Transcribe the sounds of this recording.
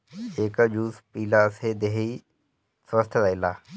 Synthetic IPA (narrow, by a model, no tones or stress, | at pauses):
eːkad͡ʒuːspiːlased̪eɦi | səst̪ʰəailaː